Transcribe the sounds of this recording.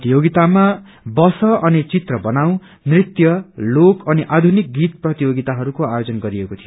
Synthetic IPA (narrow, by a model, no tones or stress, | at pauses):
t̪ijoɡit̪ama | bʌsʌʔʌnit͡sit̪rʌbʌnaw̃ | nrit̪jʌlokʌniʔad̪ʱunik̚ɡit̪̚prʌt̪ijoɡit̪aɦʌɾukoajod͡zʌnɡʌɾiekot̪ʰijo